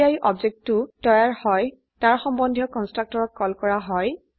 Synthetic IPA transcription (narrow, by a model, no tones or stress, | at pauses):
aiʔɔbzek̚tutɔjaɹhɔj | taɹxɔmbɔndʱijɔkɔnstɹak̚tɔɹɔt̚kɔlkɔɹaɦɔj